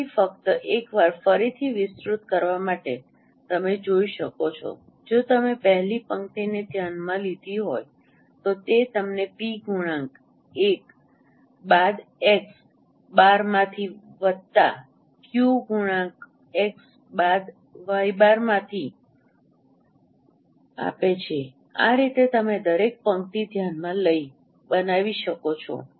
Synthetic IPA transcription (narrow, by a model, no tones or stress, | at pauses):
ifəkt̪əʔekʋaɾfəɾit̪ʰiʋɪsɾut̪kəɾʋamaʈe | t̪əmed͡ʒoiʃəkot͡ʃʰɔ̰ | d͡ʒot̪əmepəɦlipəŋkʈ̪ined̪ʱjanmãlid̪ʱiɦoj | t̪ot̪et̪əmnepiɡʱuɽ̃ãŋk | ek | bad̪eks | baɾmãt̪ʰiʋəd̪̚t̪a̰ | kjuɡʱuɽãk | eks | bad̪ | ʋəibaɾmãt̪ʰi | a̰pet͡ʃʰe | a̰ɾit̪et̪əmed̪əɾek̚pəŋkt̪id̪ʱjanmãləi | bənaʋiʃəkot͡ʃʰo̰